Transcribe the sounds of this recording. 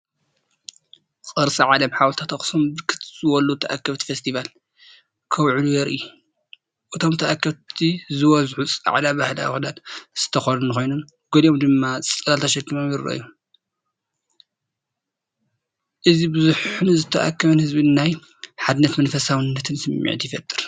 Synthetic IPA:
kʼɨɾsʼiʕalɐmħawlt̪ʰat̪ɐxsombɨkʰɨt̪ʰzɨwɔlut̪ʰɐʔa̰kːɐβt̪ʰi̥fest̪ʰival | kʰɐwʕlujɛɾʔiu | ʔɨt̪ʰo̞mt̪ʰɐʔakːɐβt̪ʰizɨwɔzħut͡sʼa̰ʕlabahla̰xd̪alz̥ɨ̥t̪ʰɐxonunɨxo̞jnom | ɡ̥oliʔomd̪ɨmːasʼt͡sʼɐlalt̪ʰɐʃɐɡimomjɪɾɐ̰ʔɨ̰ju | ʔɨzibɨzuħunzɨt̪ʰɐʔa̰kʰːɐβɐnhɨzbɨnːaj | ħad̪ɨnːɐt̪mɐnfɐsawɨnːɐt̪ʰɨnsɨmːḭʕt̪ʰijɪfɐt̪ʼːɨɾ

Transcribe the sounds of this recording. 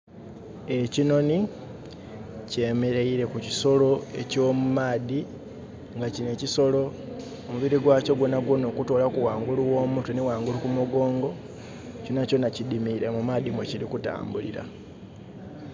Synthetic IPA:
e̞cino̞ni | ce̞ːme̞ɾeiɾe̞kuciso̞lo̞e̞̰co̞ːmumaːði | ŋɡacine̞ːciso̞lo̞ː | muβiɾiɡwaːco̞ɡwonaɡwono̞ːkuto̞ːlakuwaːŋɡuluwo̞ːmutunewaːŋɡulukumuɡo̞ːŋɡo̞ | conaco̞nacidimiɾe̞mumaːdimweciɾikuta̰ːmbulḭɾa̰

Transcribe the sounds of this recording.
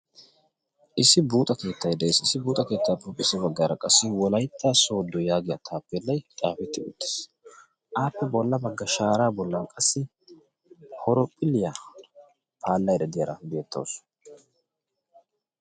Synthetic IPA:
ʔɪsɪbuːt̪ʼɐke̞ːt̪ːɐjd̪ɐsɪsɪbuːt̪ʼɐke̞ːt̪ʰːaːpːʊpʼːɪsɛbɐɡːaːɾɐkʼɐsːɪwɔlɐjt̪ʰːaːso̞ːd̪ːɔjaːɡɪjɐt̪ʰaːpːɛlːɐjt̪ʼaːfɛt̪ːɪʊ̰t̪ːɪ̥s | ʔaːpːɛbɔlːɐbɐɡːɐʃaːɾaːbɔlːɐkʼɐsːɪ | hɔɾɔpʼːɪlɪja | pʰaːlːɐjd̪ɐd̪ɪjɐɾɐbe̞ːt̪ʰːɐ̰ws

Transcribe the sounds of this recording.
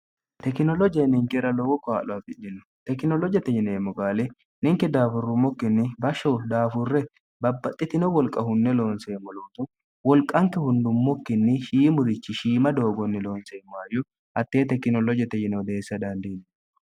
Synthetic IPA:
tt̪ɛkɪnɔlɔd͡ʒɐjnɪŋkɛɾɐlɔwɔkːɔa̰ːlɔɐt̪ɪd͡ʒɛnːʊ̥t̪ɛkːɪnɔlɔd͡ʒɐt̪ːɛjɪneːmːɔɡaːlɛ | nɪŋkɛd̪aːfʊrːʊmːɔkːɪnːɪbɐʃːɔwd̪aːfʊrːɛ | bɐbːɐt̪ʼːɪt̪ɪnɔwɔlkʼɐɦʊnːɛlo̞ːnseːmːɔloːt̪ʊ | wɔlkʼːɐŋkːɛhʊnd̪ʊmːɔkːɪnːɪʃiːmʊɾɪt͡ʃːɪʃiːmɐd̪o̞ːɡɔnːɪlo̞ːnseːmɔajɔ | ɐt̪ːeːt̪ɛkːɪnɔlɔd͡ʒɐt̪ɛjɪnɛwd̪eːsːɐd̪ɐnd̪iːn

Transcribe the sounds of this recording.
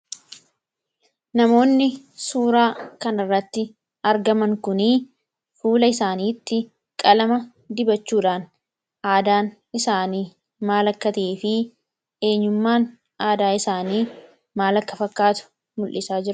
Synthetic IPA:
nɐmo̞ːnːɪ | suːɾaːkɐnɪrːɐt̪ːɪ | ɐɾɡɐmɐŋkʊniː | fuːlɐɪsaːniːt̪ːɪ | kʼɐlɐmɐ | d̪ɪbɐt͡ʃːuːᶑaːn | ʔaːd̪aːn | ɪsaːniː | maːlɐkːɐt̪ɐeːfɪ | e̞ːɲːʊmːaːn | aːd̪aːɪsaːniː | maːlɐkːɐfɐkːaːt̪ʊ̥ | mʊlʔɪsaːd͡ʒɪɾ

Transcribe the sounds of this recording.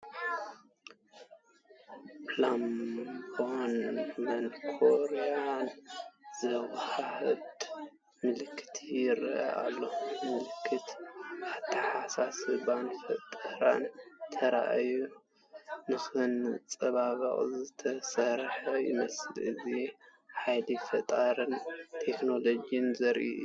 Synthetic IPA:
plambonmɐnkʰoɾeanz̥ɐwhahɨd̪ | mɨlɨkʰːɨ̥t̪ʰijɪɾʔɐ̰ʔa̰lːomɨlɨkʰːɨt̪ʔaβt̪ʰɐħasasɨβanfɐt̪ʼaɾa̰nt̪ʰɐɾa̰ʔa̰ju | nɨxɨnt͡sʼɐβaβɐ̰χʼzɨt̪ʰɐsɐɾħɐjɪ̰mɐslɨziħajlifɐt̪ʼaɾɨnt̪ʰekno̞lo̞d͡ʒijɨnzɐɾʔḭʔ

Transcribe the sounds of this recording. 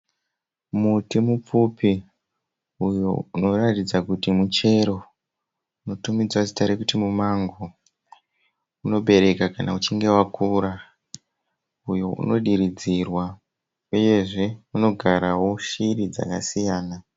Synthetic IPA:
mutimup͡fupi | ujouno̞ratid͡zakutimut͡ʃe̞ɾo̞ | uno̞tumid͡zwazitaɾekutimumaŋɡo | uno̞ɓe̞ɾe̞kakana̰ut͡ʃiŋɡe̞wakuːɾa | ujoṵno̞ɗiɾid͡zirwa | uje̞ʐe̞uno̞ɡʱaɾawo̞ʃirid͡za̰kasijaːna

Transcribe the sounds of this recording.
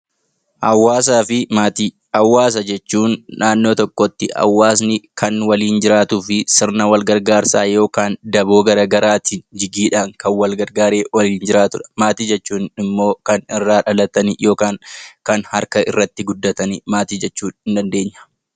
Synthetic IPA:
ʔɐwːaːsaːfɪmaːt̪i | ɐwːaːs̬ɐd͡ʒɛt͡ʃːuːnːaːnːo̞ːt̪ɔkːɔt̪ːɪɐ̰wːaːs̬nɪkɐnwɐliːnd͡ʒɪɾaːt̪ʊfɪsɪɾnɐwɐlɡɐɾɡaːɾsaːjo̞ːkaːnd̪ɐboːɡɐɾɐɡɐɾaːt̪ɪd͡ʒɪɡiːᶑaːŋkɐnwɐlɡɐɾɡaːɾe̞ːwɐliːnd͡ʒɪɾaːt̪ʊᶑɐ̥maːt̪iːd͡ʒɛt͡ʃːuːnɪmːo̞ːkɐnɪrːaːᶑɐlɐt̪ɐnjo̞ːkaːŋkɐnhɐɾkɐʔɪ̰rːɐt̪ːɪɡʊd̪ːɐt̪ɐnmaːt̪iːd͡ʒɛt͡ʃːuːnhɪnd̪ɐnd̪e̞ːɲːɐ̥

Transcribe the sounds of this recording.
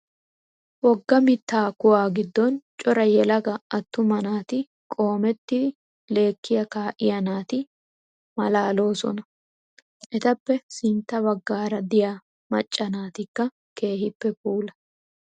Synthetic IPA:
wɔɡːɐmɪt̪ːaːkʊwaːɡɪd̪ːɔnt͡ʃʼɔɾɐjɛlɐɡɐɐt̪ːʊmɐnaːt̪ɪ | kʼo̞ːmɛt̪ːɪ | le̞ːkːɪjɐkaːʔɪjɐnaːt̪ɪ | mɐlaːlo̞ːsɔ̰nɐ | ʔɛt̪ɐpːɛsɪnt̪ːɐbɐɡːaːɾɐd̪ɪjaː | mɐ̰t͡ʃʼːɐnaːt̪ɪkːɐ | ke̞ːhɪpːɛpuːlɐ̥

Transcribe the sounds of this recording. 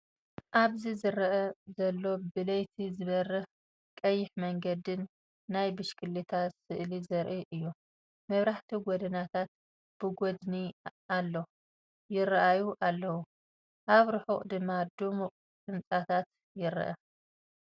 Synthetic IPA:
ʔaβzizɨɾɐʔɐzɐlːo̞bɨlɐjt̪ʰizɨβɐrːɨx | kʼɐjːɪħmɐŋɡɐd̪ɨnː | ajbɨʃkʰɨlːit̪ʰasɨʔlizɐɾʔiʔɨjːu | mɐβɾaħt̪ʰiɡʷɔd̪ɐnat̪ʰat̪̚ | b̥ɨɡod̪nialːo | jɪɾɐʔajuʔalːɐwu | ʔaβɾɨħuχʼd̪ɨmːad̪umuqʼ | sʼɨnt͡sʼat̪ʰat̪ | jɪɾ̰ʔɐ̰

